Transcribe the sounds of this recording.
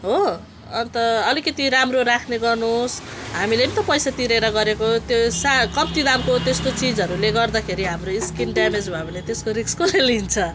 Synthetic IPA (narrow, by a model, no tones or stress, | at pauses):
ɦo | ʌnt̪ʌʌlikʌt̪iɾamroɾakʰneɡʌrnosɦamilepit̪ʌpʌjsat̪iɾeɾʌɡʌɾekot̪josakʌmt̪id̪amkot̪est̪ot͡sid͡zʌɾuleɡʌrd̪akʰeɾiɦamroiskinɖamed͡zbʱabinet̪eskoɾikskolelint͡sʰʌ